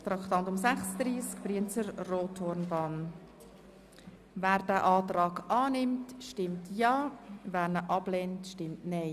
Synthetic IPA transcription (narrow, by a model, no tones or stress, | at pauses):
t̪ɾɑkχt̪ɑntʊmsæχsd̥̪ɾiːskfɾiənt͡səɾroːtʰhɔɾnbɑːn | væːɾd̥æːʔɑːtɾɑːɡɑːnɪmtʃtɪmtʰjɑːvæːɾnəʔɑb̥lentʃtɪmtnɛɪ